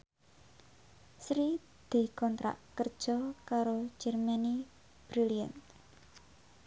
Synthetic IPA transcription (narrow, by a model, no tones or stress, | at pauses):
sɾi | d̪̥i̤kɔnt̪ɾa̰ʔkərd̥ʒ̥ɔkaɾo̥d͡ʒ̥ɛrmani | b̥ɾilia̰nt̪